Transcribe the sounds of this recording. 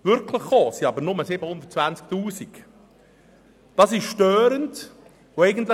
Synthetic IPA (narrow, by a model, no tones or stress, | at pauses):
vʏɾkʰləχːoːsiɑbəɾnʊməsɪbəhʊnd̪ətt͡svænt͡sk̚t̪uːsik | d̥ɑsɪʃʃtœːɾənt | oɛɪɡən̩tlə